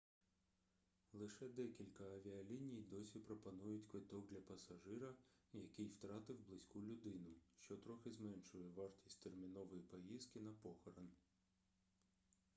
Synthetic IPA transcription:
lˠɪʃɛd̪ɛkʲilʲkɐɐʋʲiɐlʲinʲijd̪ɔsʲipɾɔpɐnujʊtʲkʋɪt̪ɔk̚d̪lʲɐpɐsɐʒɪɾɐjɐkɪjwt̪ɾɑt̪ɪwblˠɪsʲkulʲʊd̪ɪnʊʃt͡ʃɔt̪ɾɔxɪzmɛnʃʊjɛʋɑrtʲisʲtʲt̪ermʲinɔʋɔjipɔjiz̥kɪnɐpɔxɔɾɐn

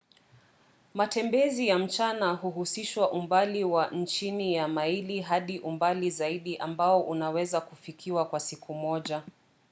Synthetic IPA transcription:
matɛmbɛzijam̩t͡ʃanaɦuɦusiʃwaʔumbaliwan̩t͡ʃinijamailiɦaɗiʔumbalizaiɗiʔambaɔʔunawɛzakufikʰiwakwasikʰumɔʄa

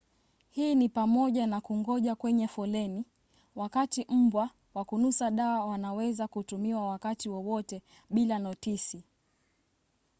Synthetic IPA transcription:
hiːnipamɔʄanakuŋɡɔʄakwɛɲɛfɔlɛni | wakatim̩bwa | wakunusaɗaːwanawɛzakutumiwawakatiwɔwɔtɛ | ɓilanɔtisi

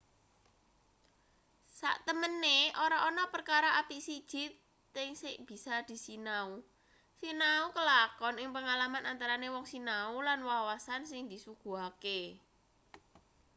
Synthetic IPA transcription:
sa̰ʔt̪əmənːeʔoɾaʔonɔpərkaɾaʔapiʔsid̥ʒ̥ɪ̤t̪̚ː | ɪŋsɪʔb̥i̤sad̪̥i̤sinau | sinaukəlakɔnɪŋpəŋalamanant̪aɾanewɔŋsinaulanwawasansɪŋd̪i̤suɡ̥ṳɦake

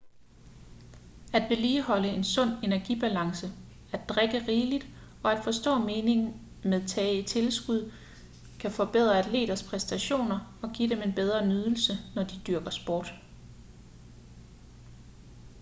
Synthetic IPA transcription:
æd̥ʋe̝liːɦɒ̽ləe̝nsɔ̽n̰e̝næɐɡ̥ib̥ælɑ̈ŋsə | æd̥d̥ʁeɡ̥əʁiːlid̥ | ɒ̽æd̥fɒ̽sd̥ɔ̰̽ːme̝ːne̝ŋn̩ | meðˠt͡sʰɛːit͡sʰe̝lsɡ̥uð̰ˠ | kʰæfɒ̽b̥e̝ð̞̰ˠʁɐæd̥le̝̰ːɾ̥ɐspʰʁɛsd̥æɕo̝̰ːnɐɒ̽ɡ̥ḭd̥eme̝nb̥eð̞ˠʁɐnyð̞ˠl̩sənɒd̥id̥yɐɡ̥ɐsb̥ɒːd̥

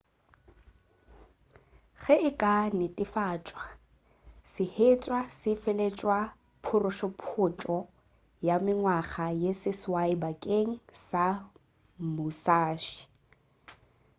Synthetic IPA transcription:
ɣɛɪkʼanɪtʼɪfaːt͡ʃʼwa | sɪhet͡ʃʼwasɪfɛlet͡ʃʼwa | pʰʊrʊʃɔpʰʊt͡ʃʼɔ | jamɪŋwaχajesɪswaɪbakʼeŋ̩sa | mʊsaːʃi̥

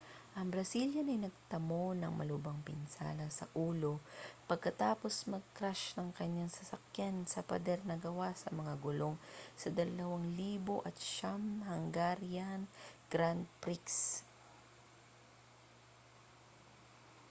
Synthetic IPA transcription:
ʔɐŋbɾɐsiljɐnɐjnɐɡ̚t̪ɐmo̞nɐŋmɐ̰lʊbɐŋpɪnsa̰ːnɐsɐ̰ʔuːlo̞pɐɡ̚kɐt̪aːpo̞smɐɡ̚kɾaʃnɐŋkɐɲːaŋsɐsɐkjansɐpɐ̰d̪ɛɾnɐɡɐwasɐmɐŋaɡʊlo̞ŋsɐd̪ɐlɐwaŋliːbo̞ʔɐt̪̚ʃamhɐŋɡaɾjanɡ̥ɾand̪̚pɾiks

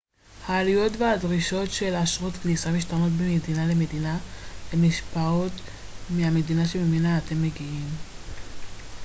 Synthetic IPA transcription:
haːlijo̞tvehadʁiʃo̞tʃe̞laʃʁotklisamiʃtanotbemedinale̞me̞dinalemiʃpao̞tmiame̞dinaʃe̞memenaːte̞mːeɡiim

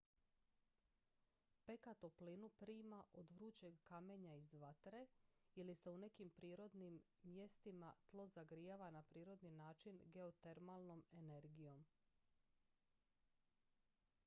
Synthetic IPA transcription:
pe̞kat̪oplinupɾiːmaʔo̞d̪ʋɾuːt͡ɕe̞ɡkame̞ɲaizʋat̪ɾe̞ilise̞une̞kimpɾiːɾo̞d̪nimː | je̞st̪imat̪lˠo̞zaɡɾijaʋanapɾiːɾo̞d̪ninaːt͡ʃinɡe̞ot̪e̞ɾmalˠno̞me̞ne̞ɾɡijo̞m

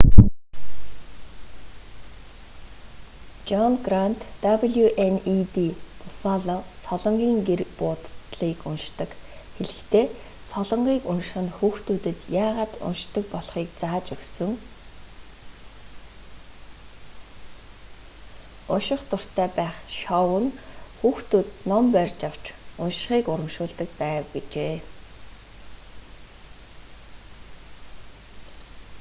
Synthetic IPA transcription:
t͡ɕɔnɡrant̪ːapəɮjuʔenit̪ipʰʊfaɮɔsɔɮɞ̆ɴɢiːŋɡerpʊːt̪ɮiːkʊnʃt̪ə̆k | xeɮɘ̆xt̪ʰeː | sɔɮɞ̆ɴɢiːkʊnʃχə̆nxuːxt̪uːt̪ɘ̆t̪jaːʁaːt̪ʊ̰nʃt̪ə̆k̚pɔɮχiːk̚t͡saːt͡ɕɵksɵ̆ŋ | ʊnʃɪ̆χt̪ʊr̥t̪ʰːæːpæːχʃɔwə̆nxuːxt̪uːt̪nɔmpœrʲt͡ɕaw̥t͡ɕʰʊnʃ̆χiːkʊɾə̆mʃʊːɮt̪ə̆k̚pæːwɡet͡ɕeː

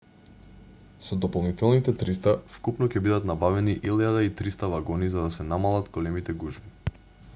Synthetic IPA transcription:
sɔd̪ɔpolˠnit̪ɛlˠnit̪ɛt̪ɾist̪afkupnɔcɛbid̪at̪nabavɛniʔilˠad̪ait̪ɾist̪avaɡɔnizad̪asɛnamalˠat̪ɡolɛmit̪ɛɡuʒmi

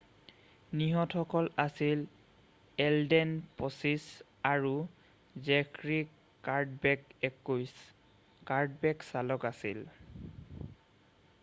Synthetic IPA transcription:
niɦɔtxɔkɔlasil | ɛldɛnpɔsis | aɹu | zɛkɹik | aɹdbkɛkujs | kaɹd̚bɛksalɔkasḭl

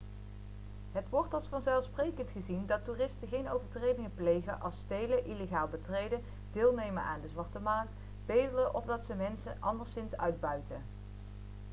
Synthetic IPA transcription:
ɦətʋɔɹtɑlˠsfɑnzɛlˠfsprejkəntχəzindɑtuːrɪstəχejnowvəɹtrejdɪŋəplejχənʔɑlˠstejləʔileχaːlˠbətrejdə | d̥ɪːlˠnejmənʔa̰ːndəzʋɑɹtəmaːnt | b̥ejdələʔɔvdɑtsəmɛnsə̰ʔɑndəɹsɪnsœ̰ɥd̚bœɥtə

